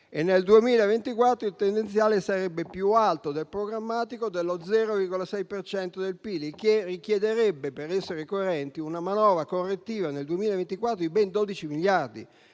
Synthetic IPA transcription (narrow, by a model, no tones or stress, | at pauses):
enːeld̪uemiːlaevent̪ikwat̪ːɾoilt̪end̪ent̪sjaːlesaɾɛbːepjualt̪od̪elpɾoɡɾamːaːt̪ikod̪elːod̪zɛːɾovirɡolasɛjpert͡ʃɛnt̪od̪elpiːlikerikjed̪eɾɛbːepeɾɛsːeɾekoeɾɛnt̪iunamanɔːvɾakorːet̪ːiːvaneld̪uemiːlaevent̪ikwat̪ːɾoibɛnd̪oːd̪it͡ʃimiljard̪ḭ